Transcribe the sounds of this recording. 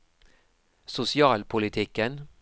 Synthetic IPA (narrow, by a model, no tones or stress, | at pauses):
sʊsɪɑːlpʰʊlɪt̪ʰɪkən